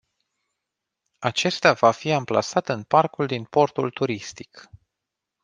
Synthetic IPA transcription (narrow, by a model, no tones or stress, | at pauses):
at͡ʃe̞st̪eavafiampla̰sat̪ɨnparkuld̪inpo̞rt̪ult̪uɾist̪i̥k